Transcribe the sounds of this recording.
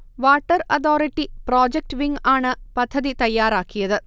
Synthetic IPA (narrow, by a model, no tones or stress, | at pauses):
ʋaːʈːɐrɐt̪ʰoːɾiʈːiproːd͡ʑek̚ʈʋiŋɡaːɳɨpɐd̪ʱːɐðit̪ɐjːaːɾaːkːijɐðɨ